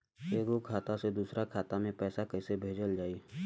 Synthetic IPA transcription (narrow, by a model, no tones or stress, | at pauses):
eːɡokʰaːt̪ased̪uːsɾakʰaːt̪amẽpɛːsakɛisebʱeːd͡ʒəld͡ʒaːi